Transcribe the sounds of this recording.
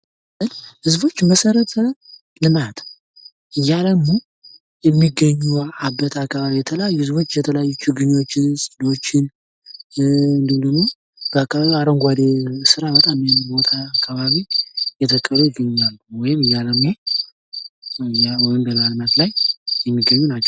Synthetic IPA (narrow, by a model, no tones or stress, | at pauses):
ʔɨnhɨzbo̞t͡ʃːməsəɾət̪ʰə | lɨmat̪ʰ | ʔɨjːaləmːo | jɛmːiɡːəɲːuabːət̪ʰakːaβaβijɛt̪ʰələjajːuhɨzbo̞t͡ʃːjɛt̪ʰələjajːut͡ʃːuɡɨɲːo̞t͡ʃːɪnsʼino̞t͡ʃːɪn | ɨnd̪ɨmd̪əmmo | b̥əakʰːaβaβiaɾoŋɡʷad̪esɨɾaβət̪ʼamjinbo̞t̪ʰaːkʰːaβaβijɛt̪ʰəkʼːəlujɪɡəɲːalːuwɔjɪmɨjːaləmoj | jawɔjɪmbəlɨmalɨmat̪lajjɛmːiɡːəɲːunat͡ʃːɛ̥